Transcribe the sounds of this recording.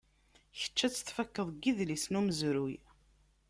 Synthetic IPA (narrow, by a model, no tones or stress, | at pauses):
çə̥t͡ʃːæt͡sːə̥θfækːəðˤɡiðlisnuməzɾuj